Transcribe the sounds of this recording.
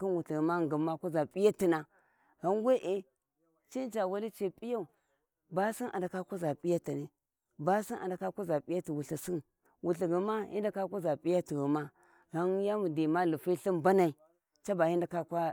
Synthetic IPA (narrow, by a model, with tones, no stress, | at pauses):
ki˦nwu˨ɬi˨ɡə˨ma˦ŋ˨ɡə˨ma˦kʷu˦za˨pi˦ja˦ti˨na˨ | ɣa˦nwe˦ʔe˦ | t͡ʃi˦nt͡ʃa˨wa˦li˦t͡ʃe˨pʼi˦ja˦u˨ | ba˦si˦nʔa̰˨nda˨ka˦kʷa˦za˨pʼi˦ja˦ta˨ni˨ | ba˦si˦nʔa̰˨da˨ka˦kʷa˦za˨pʼi˦ja˦ti˨wu˨ɬa˨si˦n | wu˨ɬi˨ɡi˨ma˦ḭ˦n˦da˦ka˦kʷa˦za˨pi˦ja˦ti˨ɡi˨ma˦ | ɣa˦nja˦mu˨di˨ma˦lu˨fi˦ɬi˦mba˦na˨i˨ | t͡ʃa˦ba˨ji˦nda˨ka˦kʷa˦